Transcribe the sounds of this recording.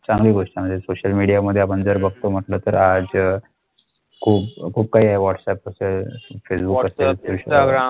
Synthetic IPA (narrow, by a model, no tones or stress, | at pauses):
t͡sãŋɡliːɡoʂʈaməd̪ʱːjesoɕəlmiɽijaməd̪ʱːjeapəɳd͡zəɾbəɡ̚t̪om̤əʈlət̪əɾad͡z | kʰuːpkʰuːp̚kaɦiːaeʋɔʈsɛpəselfesbukkəselt̪eɕ